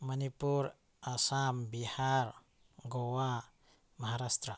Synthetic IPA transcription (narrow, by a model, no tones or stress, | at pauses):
mənipuɾ | asambihaɾ | ɡowa | məɦaɾast̪ɾə